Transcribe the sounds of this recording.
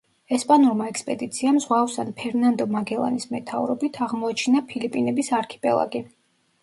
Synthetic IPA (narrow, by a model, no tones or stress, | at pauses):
ɛspʼanuɾmaɛkspʼɛd̪it̪sʰiamzʁwavsanpʰɛɾnand̪ɔmaɡɛlˠa̰nismɛt̪ʰa̰vɾɔbit̪ʰaʁmɔat͡ʃʰnapʰilipʼinɛbisaɾkʰi̥pʼɛ̰lˠa̰ɡi